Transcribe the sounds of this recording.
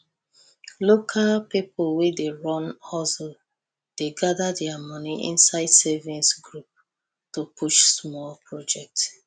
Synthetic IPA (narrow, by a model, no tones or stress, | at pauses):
lokʰalpipʰolwedeɹɔ̃nɔlso | d̥eɡadadɛamɔ̃niʔḭ̃nsaɪdsevĩnsɡɹup̚ | topuʃsmɔlpʰɹɔd͡ʒɛk̚t